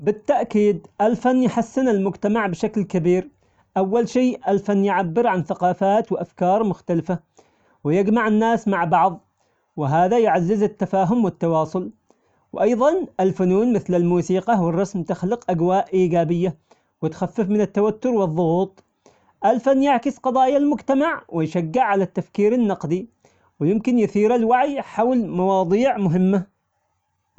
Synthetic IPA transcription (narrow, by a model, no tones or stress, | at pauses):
bɪt̪ːaʔkiːd̪ʔalfanːjħasːɪnalmʊd͡ʒt̪amaʕbɪʃaklkabiːɾ | ʔawːalʃiːʔalfanːjɪʕabːɪɾʕanθaqɑːfaːt̪wɪʔafkɑːɾˤmʊxt̪alɪfa | wɪjɪɡmaʕɪnːaːsmaʕbɑʕðˤ | wɪɦaːðajʕazːɪzɪt̪ːafaːɦʊmwɪt̪ːɑwɑːsˤʊl | wʔɑjðˤɑnʔɪlfʊnuːnmɪθlɪlmuːsiːqɑwɪrˤːɑsmt̪ɪxlɪqʔaɡwaːʔʔiːɡaːbɪjːa | wɪt̪xafːɪfmɪnɪt̪ːawat̪ːʊɾwɨðˤːʊɣuːt̪ˤ | ʔalfanːjaʕkɪsqɑd̪ˤɑːjalmʊd͡ʒt̪amaʕwɪjʃaɡːɪʕʕːalat̪ːafkiːɾanːɑqd̪i | wɪjɪmkɪnjʊθiːɾalwaʕjħawlmɑwɑːd̪ˤiːʕmʊɦɪmːa